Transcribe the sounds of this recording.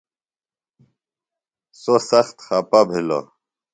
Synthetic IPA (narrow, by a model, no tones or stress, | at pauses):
sosɐxt̪xaːpabʱilo̰